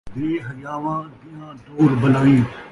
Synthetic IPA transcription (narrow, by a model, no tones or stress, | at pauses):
ʋ̪eːɦəd͡ʒaːʋãːd̪ɪjãːd̪oːɾbəlaːĩː